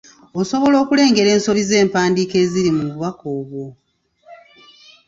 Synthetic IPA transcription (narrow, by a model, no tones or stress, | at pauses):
oso̞βo̞lo̞ːkule̞ːŋɡe̞ɾe̞ːnso̞βize̞ːmpaːndiːke̞ːziɾimuβuβakoːβwo̞